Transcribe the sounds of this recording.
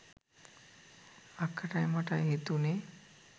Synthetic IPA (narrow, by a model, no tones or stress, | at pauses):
akʰːaʈajmaʈajɦet̪une